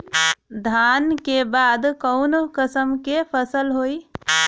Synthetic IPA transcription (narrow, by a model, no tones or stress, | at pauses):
d̪ʱaːnkebaːd̪kəʊnokəsəmkepʰəsəlɦoːi